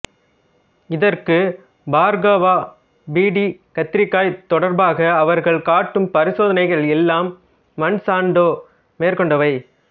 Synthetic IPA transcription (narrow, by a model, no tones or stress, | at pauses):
ɪðɐɾkɯ | baːɾɡɐʋaː | biːɽikɐt̪ːɪɾɪkːaːjt̪ɔɽɐɾbaːɣɐːʋɐɾɣɐɭkaːʈːɯmpɐɾɪsoːðɐnɐɪɣɐɭɛlːaːmː | ɐnsaːɳɖoː | meːrkɔɳɖɐʋɐɪ